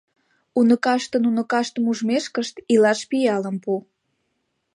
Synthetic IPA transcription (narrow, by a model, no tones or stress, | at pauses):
unəkɑʃt̪ənunə̆kɑʃt̪əmuʒmeʃkəʃt̪ilɑʃpijɑləmpu